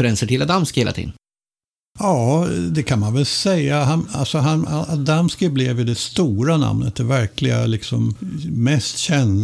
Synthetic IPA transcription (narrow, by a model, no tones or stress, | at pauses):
ɾɛnsəʈʰɪlad̪amskɪheːlat̪ʰḭːd̪ | jɑːd̪ɛkʰanmanvɛlsɛjːaɦana̰lsɔɦanaad̪amskɪblɪvjʏd̪ɛst̪uːɾana̰mnət̪̚d̪ɛvæɾkʰlɪɡa̰lɪksɔmmɛst̪ɕɛn